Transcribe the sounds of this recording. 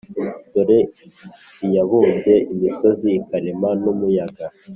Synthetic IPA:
doɾe | ijaβuːnze̞ʔimiso̞ziːkaɾimanumujaɡa

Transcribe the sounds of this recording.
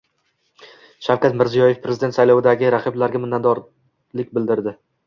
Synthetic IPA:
ʃawkʲat̪mɪɾzijɒje̞fpʰɾe̞zɪd̪ent̪sajlɒwɪd̪aɡʲɪɾaqʰɨblaɾɡʲamɪnːat̪d̪ɒɾ | lɪkʲbɪld̪ɪɾd̪ɪ

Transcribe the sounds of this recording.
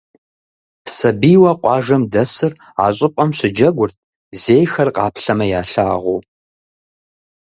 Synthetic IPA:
sɐbiːwɐqʷʼɑːʒɐmdɐsɨr | a̰ːɕʼɪpʷʼɐmɕɪd͡ʒɐɡʷʊrt̚ʰ | zeːjxɐrqʼɑːpɬɐmɐjaːɬaːʁʷṵ

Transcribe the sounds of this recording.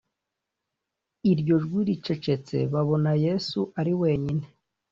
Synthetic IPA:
iɾɟo̞ʒɡwiːɾit͡ʃe̞t͡ʃe̞t͡se̞̰βaβo̞naje̞suʔaɾiwe̞ːɲine̥

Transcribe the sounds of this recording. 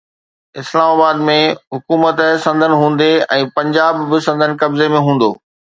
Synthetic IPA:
ɪslaːmaːbaːd̪mẽɦʊkuːmət̪sɐ̃nd̪ʱənɪ̆ɦũːn̆d̪eɛ̃ːpɐ̃ɲd͡ʑaːbːɪsɐ̃nd̪ʱənɪ̆kɐbzemẽɦũːn̆d̪oː

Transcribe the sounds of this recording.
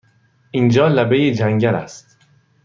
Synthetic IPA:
ʔind͡ʒɒːlæbe̞jed͡ʒæŋɟæɾæ̰st̪

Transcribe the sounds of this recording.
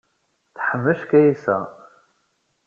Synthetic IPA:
θħəmːəʃkæjisæ̰

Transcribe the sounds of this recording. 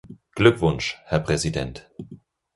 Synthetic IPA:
ɡ̥lʏkv̥ʊnʃhɛɐpʁ̥ɛzidɛnt

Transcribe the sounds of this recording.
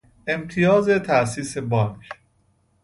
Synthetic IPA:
ʔe̞mt̪ʰijɒːze̞t̪ʰæʔsiːse̞bɒːnkʰ

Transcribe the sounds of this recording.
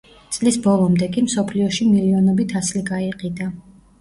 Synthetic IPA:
t̪sʼlisbɔlˠɔmd̪ɛkʼimsɔpʰliɔʃimiliɔnɔbit̪ʰasliɡaiqʼid̪a

